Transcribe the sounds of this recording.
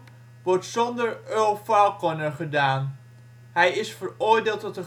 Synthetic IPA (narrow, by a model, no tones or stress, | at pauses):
ʋɔɹtsɔndəɹøːfawkɔnəχədaːn | ɦɛjɪsfəɹʊːɹdeːlˠtɔtə